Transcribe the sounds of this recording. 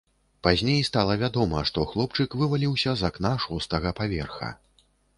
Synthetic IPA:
pazʲnʲejst̪alˠɐvʲad̪ɔmɐʂt̪ɔxlˠɔpt͡ʂɨkvɨvalʲiwsʲɐzaknaʂɔst̪ɐɣɐpavʲɛrxɐ̰

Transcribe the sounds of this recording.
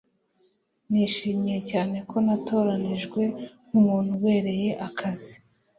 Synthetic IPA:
niːʃiːmije̞caːne̞ko̞nato̞ɾaniʒɡwe̞ŋumuːn̥huwe̞ːɾe̞je̞ʔakʰazi

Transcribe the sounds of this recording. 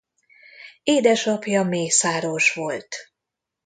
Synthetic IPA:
eːd̪ɛʃɒpjɒmeːsaːɾoːʃʋo̞lt̪

